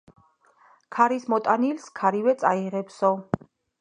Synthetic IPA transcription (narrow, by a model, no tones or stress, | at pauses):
kʰaɾismɔt̪ʼanilskʰaɾivɛt̪sʼaiʁɛpsɔ